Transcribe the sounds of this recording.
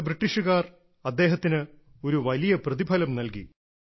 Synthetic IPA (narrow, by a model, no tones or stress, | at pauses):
briʈːiʂuɣaːr | ɐd̪ːe̞ːɦɐt̪ːinɨ | o̞ɾuʋɐlijɐprɐðibʰʱɐlɐmnɐlkḭ